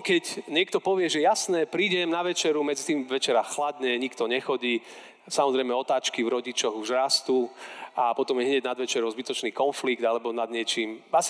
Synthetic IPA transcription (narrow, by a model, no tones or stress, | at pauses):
kɛcɲɪɛk̚t̪ɔpɔʋɪɛʒɛjasnɛːpɾiːɟɛmnaʋɛt͡ʃɛɾumɛd͡zit̪iːmʋɛt͡ʃɛɾaxlad̪ɲɛɲikt̪ɔɲɛxɔɟiː | samɔzɾɛjmɛɔt̪aːt͡ʃkivɾɔɟit͡ʃɔɣuʒɾast̪uːapɔt̪ɔmjɛɦɲɛɟnad̪ʋɛt͡ʃɛɾɔʊzbit̪ɔt͡ʃniːkɔnfliɡ̚d̪alɛbɔnad̪ɲɪɛt͡ʃiːmas